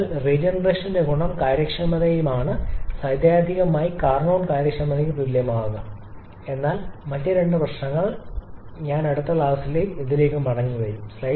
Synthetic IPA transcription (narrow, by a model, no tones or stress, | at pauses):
lred͡ʑenɐreːʂɐndeɡuɳɐmkaːjɾɐkʂɐmɐðɐjumaːɳɨsɐjd̪jaːd̪ʱiɣɐmaːjikaːrɳoːɳkaːjɾɐkʂɐmɐðɐjuʋilːjɐmaːɣɐ | e̞nːaːlmɐtːjɐɾe̞ɳɖɨpɐɕɳɐŋːɐɭ | ɲaːnɐɽut̪ːɐɭaːsileːjmeðile̞ːkʲːumɐɽɐŋːiʋɐjumslɐ